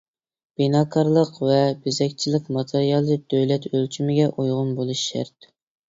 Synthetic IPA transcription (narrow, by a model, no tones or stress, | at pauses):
b̥inɑːkʰɑɾlˠəqvɛbɪzɛkʲt͡ʃʰilɪkʲmɑt̪ʰeɾijɑlˠɨd̪̥øjlɛt̪ʰølt͡ʃʰymɪɡʲɛʔujʁʊnbolˠuʃːæ̰ɾt̪̚